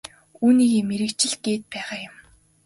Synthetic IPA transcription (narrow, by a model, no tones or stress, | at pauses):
uːniːɣeːmeɾɘ̆kt͡ɕɪ̆ɮ̚ɡeːt̪̚pæːʁaːjʊm